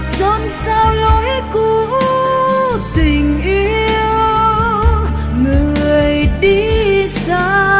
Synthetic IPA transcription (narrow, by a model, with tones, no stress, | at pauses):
zɔ˧˦nsa˧wlɔ˨˦jku˧ | t̪ï˨˩ŋ̟ʔi˧˦˧əww | ŋɨ˨˩˨əjɗi˧saː˧˦